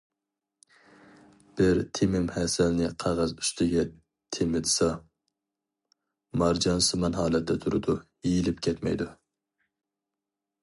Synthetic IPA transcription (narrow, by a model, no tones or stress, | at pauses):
b̥ɪɾt̪ʰemɪmhɛsælnɪqʰɑʁɑzyst̪ʰɪɡʲɛ | t̪ʰemɪd̪ɨsɑ | mɑɾd͡ʒɑnsɨmɑnɦɑːlˠɛt̪̚d̪ɛt̪ʰuɾɨ̰d̪ujijilɪpkʲʰɛt̪mɛ̰jd̪u